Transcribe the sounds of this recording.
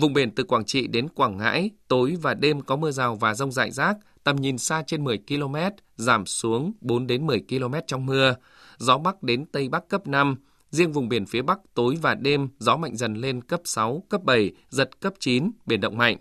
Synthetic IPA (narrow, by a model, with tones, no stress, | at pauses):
vʊ̰˨˩ŋ͡mɓi˧˩ənt̪ɨ˨˩kwaː˧˩ŋt͡ɕḭ˧˨ɗe˨˦nkwaː˧˩ŋːa̰ː˧˥jt̪o˨˦jvaː˨˩ɗe˧mkɔ˨˦mɨ˧əzaː˨˩wvaː˨˩zə˧wŋ͡mza̰ː˧˨jzaː˦˥k̚t̪ə˨˩mɲi˨˩nsaː˧t͡ɕe˧nmɨ˨˩əjki˧lo˧mɛ˦˥t̚ | zaː˧˩msu˨˦əŋɓo˨˦nɗe˨˦nmɨ˨˩əjki˧lo˧mɛ˦˥t̚t͡ɕɔ˧wŋ͡mmɨ˧ə | zɔ˨˦ɓa˦˥k̚ɗe˨˦nt̪ə˧jɓa˦˥kːə˦˥p̚na˧m | zi˧əŋvʊ˨˩ŋ͡mɓi˧˩ənfi˨˦əɓa˦˥k̚t̪o˨˦jvaː˨˩ɗe˧mzɔ˨˦ma̰˧˨jŋ̟zə˨˩nle˧nkə˦˥p̚sa˨˦wkə˦˥p̚ɓə˧˩j | zə˨˩t̚kə˦˥p̚t͡ɕi˨˦nɓi˧˩ənɗə̰˧˨wŋ͡mma̰˧˨jŋ̟ʔ